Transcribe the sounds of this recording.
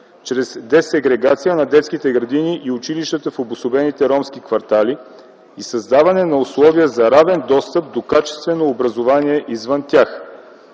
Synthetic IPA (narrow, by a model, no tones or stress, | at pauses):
t͡ʃɾɛzd̪ɛsɛɡɾɛɡat̪sijənɐd̪ɛt̪skit̪ɛɡɾɐd̪iniʔiʊt͡ʃiliʃt̪ət̪əfobʊsʊbɛnit̪ɛɾɔmskikvɐɾt̪ali | isɐzd̪avɐnɛnɐʊslˠɔviəzɐɾavɛnd̪ɔst̪əp̚d̪okat͡ʃɛ̥st̪vɛnoːbɾɐzovaniɛʔizvənt̪ʲjax